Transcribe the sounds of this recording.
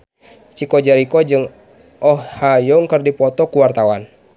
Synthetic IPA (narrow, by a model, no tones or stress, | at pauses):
t͡ʃikɔd͡ʒaɾikɔd͡ʒɨŋ | ʔɔhhajɔŋkɨrdipɔt̪ɔkuwart̪awan